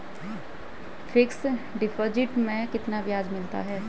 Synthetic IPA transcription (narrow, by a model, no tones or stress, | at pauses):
pʰɪksɖɪpʰod͡ʒɪʈmẽkɪt̪nabjaːd͡ʒmɪlt̪a̰ɦɛː